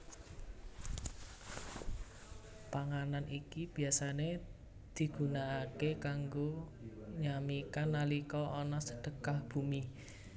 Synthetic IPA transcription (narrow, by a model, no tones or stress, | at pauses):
paŋananikib̥i̤asane | d̪̥i̤ɡ̥ṳnaːkekaŋɡoɲamikanːalikɔɔnɔsəɖ̥ə̤kahb̥umi